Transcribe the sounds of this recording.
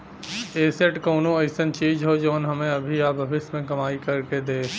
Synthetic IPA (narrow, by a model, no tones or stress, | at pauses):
eːseʈkoːnõɐɪsənt͡ʃiːd͡ʒɦod͡ʒoːnɦɐmẽɐbʱiaːbʱɐʋɪʃmẽkɐmaːikɐɾked̪eː